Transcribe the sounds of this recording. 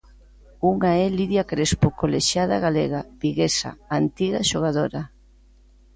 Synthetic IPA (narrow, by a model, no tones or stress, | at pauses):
uŋaɛliðjakɾespokoleʃjaðaɣaleɣaβiɣesa̰ant̪iɣaʃoɣ̞aðoɾa